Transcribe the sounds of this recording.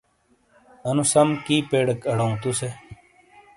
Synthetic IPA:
ɐnusɐmkiːpeːɽekɐɽɐũt̪use

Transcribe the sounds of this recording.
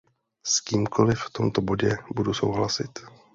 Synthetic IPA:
skiːmkʰo̞lɪft̪o̞mt̪o̞bo̞ɟɛbuduso̞̰wɦlasɪt̪

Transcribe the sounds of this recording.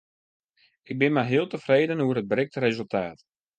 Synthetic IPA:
ɪɡ̚bɪnmɛjɦɪəlˠtəfreːdənuərɦəd̚brɪk̚tərezɵlˠtʰaːt

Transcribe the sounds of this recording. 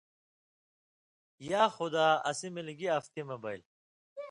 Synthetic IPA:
jaːxʊd̪aːɐsimilɡiɐft̪imɐbɐil

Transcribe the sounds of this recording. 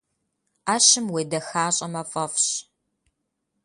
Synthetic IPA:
aːɕɪmweːdɐxaːɕʼɐmɐfʼɐfɕ

